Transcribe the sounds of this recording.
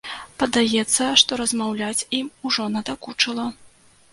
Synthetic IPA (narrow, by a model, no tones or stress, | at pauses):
pɐd̪ajɛt̪sːɐʂt̪ɔɾɐzmawlʲat͡sʲimuʐɔnɐd̪akut͡ʂɨlˠɐ